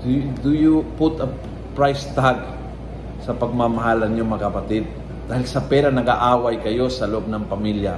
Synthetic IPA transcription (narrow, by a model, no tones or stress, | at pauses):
d̪d̪ʊjupʊt̪ɐ | pɹajst̪aɡ̚ | sɐpɐɡ̚mamɐɦalɐnjoŋmakɐpɐt̪ɪd̪̚ | d̪aːhɪlsɐpɛɾanɐɡa̰ʔaːwajkɐjo̞sɐlʊʔob̚nɐŋpɐmilja